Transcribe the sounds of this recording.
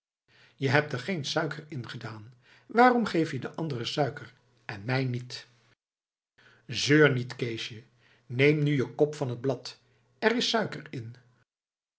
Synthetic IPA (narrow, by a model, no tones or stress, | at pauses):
jəɦɛp̚təɹχejnsœɥkərɪnχədaːn | ʋaːrɔmχejfjədəʔɑndərəsœɥkər | ɛnmɛjnit | zøːɹnitkejʃjə | nejmnyjəkɔpfɑnɦəd̚blɑt | ɛrɪsœɥkəɹɪn